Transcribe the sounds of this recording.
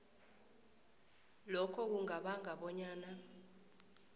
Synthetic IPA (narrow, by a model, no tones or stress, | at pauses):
lɔkʰɔk̬uŋaɓaŋʱaɓɔɲaːna